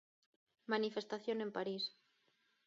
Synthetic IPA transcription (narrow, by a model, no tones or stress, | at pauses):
manifest̪aθjone̞mpaɾis